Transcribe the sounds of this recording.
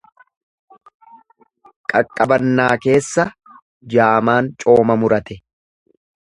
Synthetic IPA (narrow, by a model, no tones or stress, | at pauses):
kʼɐkʼːɐbɐnːaːke̞ːsːɐ | d͡ʒaːmaːnt͡ʃʼo̞ːmɐmʊɾɐt̪ɛ